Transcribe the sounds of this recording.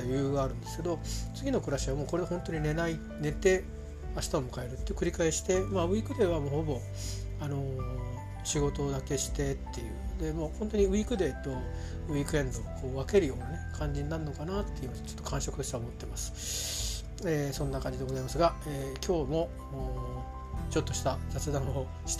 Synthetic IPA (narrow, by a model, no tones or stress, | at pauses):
jɯ̟ːɡaːɾɯ̟̃nd̪e̞sɨ̥ke̞d̪o̞t͡sɨɡʲino̞kɯ̟ɾaɕiβamo̞ːko̞ɾehõ̞nt̪o̞ɲ̟ine̞nai | ne̞t̪e̞ | aɕi̥t̪aomɯ̟kae̞ɾɯ̟t̪ːekɯ̟ɾʲikaeɕi̥t̪e̞maɯ̟iːkɯ̟d̪e̞ːβamoːho̞bo̞ | ano̞ | ɕiɡo̞t̪o̞d̪ake̞ɕi̥t̪e̞t̪ːe̞jɯ̟̰ːd̪e̞moːhõ̞nt̪oɲ̟iɯiːkɯ̟d̪e̞ːt̪o̞ | ɯiːkɯ̟ẽ̞nd̪okʰoːβake̞ɾɯjo̞ːnane̞kʰãɲ̟d͡ʑiɲinaɾɯ̟nːo̞kanat̪ːe̞iɯ̟mast͡ɕo̞t̪ːo̞kʰãɰ̃ɕokɯ̟t̪oɕi̥t̪aomo̞t̪ːe̞masɨ̥ | eːsõ̞nːakãɲ̟d͡ʑid̪e̞ɡo̞zaimasɨɡaeːkʲo̞ːmo̞ | t͡ɕo̞t̪ːo̞ɕi̥t̪azat͡sɨd̪ãɰ̃o | ɕi̥t̪e